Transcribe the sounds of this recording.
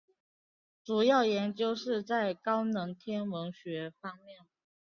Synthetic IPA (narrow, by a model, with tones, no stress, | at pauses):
ʈ͡ʂu˨˩jɑ˥˩ʊjɛ˧˥nt͡ɕjo˥ʊʂɻ̩˥˧t͡sa˥˩ɪkɑ˥ʊnɤ˧˥ŋt̪ʰjɛ˥nmə˧˥ŋɕɥɛ˧˥fɑ˥ŋmjɛ˥˩n